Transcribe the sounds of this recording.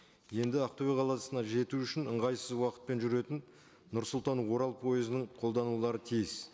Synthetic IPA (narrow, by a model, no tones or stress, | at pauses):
je̞nd̪ɪaqt̪obʲeqʰɑlˠɑsənɑʒe̞t̪uʏʃɪnəɴʁɑjsəzwɑqət̪̚pe̞nʒʏɾe̞t̪ɪnː | ʊɾsʊlˠt̪ɑnwo̞ɾɑlˠpʰo̞jɪzɪnɪɴqʰo̞lˠd̪ɑnulˠɑɾət̪ʰijɪz